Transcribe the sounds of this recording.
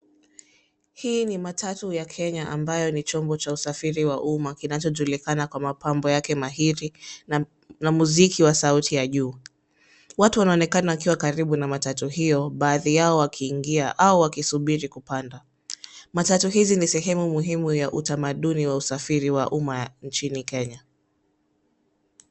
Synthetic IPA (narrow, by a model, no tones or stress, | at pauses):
hiːnimatʰatujakʰɛɲaʔambajɔnit͡ʃɔmbɔt͡ʃausafiɾiwaʔumakinat͡ʃɔʄulikanakwamapambɔjakɛmaɦiɾi | namuzikʰiwasautʰijaʄuː | watuwanaɔnɛkanawakiwakaɾiɓunamatatuɦijɔɓaːðijaɔwakʰiːŋɡiaʔauwakisuɓiɾikupanda | matatuhizinisɛɦɛmumuɦimujaʔutamaɗuniwausafiɾiwaʔumant͡ʃinikɛɲa